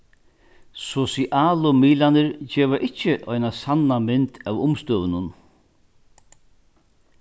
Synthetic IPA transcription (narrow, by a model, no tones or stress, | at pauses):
sɔsiʔaːlʊmiːlanɪɾt͡ʃɛːʋaʔɪcːɪʔɔjnasanːamɪnt̪ʰæwʊmst̪øːʋɪnʊn